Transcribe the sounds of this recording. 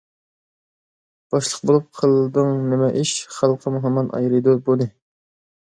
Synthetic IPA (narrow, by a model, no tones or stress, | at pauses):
b̥ɑʃlˠəqbolˠup̚qʰəlˠd̪ɨŋnɪmɛʔɪʃχælˠqʰːɑmuɦɔmːɑnʔɑ̰jɾɨd̪ɨbonɨ